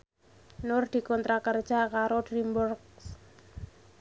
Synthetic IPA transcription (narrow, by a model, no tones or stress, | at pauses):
nʊrd̪̥i̤kɔnt̪ɾakər̥ʒ̥akaɾod̪ɾimbɔrks